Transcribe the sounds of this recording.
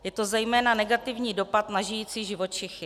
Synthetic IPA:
jɛt̪o̞zɛjmɛːnanɛɡat̪ɪvɲiːdo̞pat̪naʒɪjiːt͡siːʒɪvo̞t͡ʃɪxɪ

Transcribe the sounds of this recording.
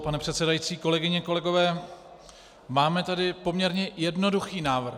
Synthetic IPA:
panɛpr̥ɛt̪sɛdajiːt͡siːko̞lɛɡɪɲɛko̞lɛɡo̞vɛː | maːmɛt̪adɪpo̞mɲɛɾɲɛjɛdno̞duxiːnaːvr̩

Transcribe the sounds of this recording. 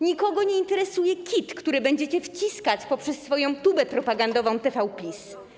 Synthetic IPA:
ɲikɔɡɔɲɛint̪ɛɾɛsujɛkʲit̪kt̪uɾɘbɛɲd͡ʑɛt͡ɕɛft͡ɕiskat͡ɕpɔpʂɛsːfɔjɔ̃w̃t̪ubɛpɾɔpaɡand̪ɔvɔ̃w̃t̪ɛfawpʲlʲis

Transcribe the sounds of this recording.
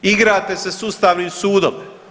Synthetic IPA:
iɡɾaːt̪esesuːst̪aːʋniːmsuːd̪om

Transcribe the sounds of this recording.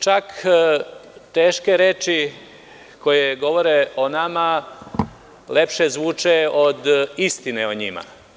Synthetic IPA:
t͡ʃak | t̪eːʃkeɾeːt͡ʃi | ko̞jeɡo̞ʋoɾeonama | le̞pʃezʋuːt͡ʃeod̪ist̪ineoɲima̰

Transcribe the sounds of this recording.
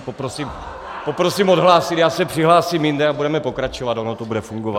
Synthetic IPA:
popɾosim | popɾo̞siːmodɦlaːsɪt̪jaːsɛpr̥ɪɦlaːsimjɪndɛabudɛmɛpo̞kɾat͡ʃovat̪onot̪obudɛfuŋɡova

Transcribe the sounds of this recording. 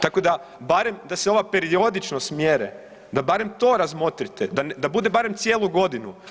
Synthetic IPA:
t̪ako̞d̪abaɾe̞md̪aseo̞ʋape̞ɾio̞d̪it͡ʃnosmje̞ɾḛ | d̪abaɾemt̪o̞ːɾazmo̞t̪ɾit̪ed̪and̪abud̪ebaɾemt̪sjeːlˠuɡo̞d̪inu

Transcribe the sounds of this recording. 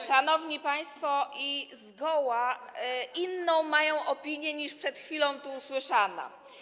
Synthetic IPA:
ʂanɔvɲipaj̃st̪fɔʔizɡɔwaʔinːɔ̃w̃majɔ̃w̃ʔɔpʲiɲjɛɲiʂpʂɛt̪xfʲilɔ̃w̃t̪uːswɘʂana̰

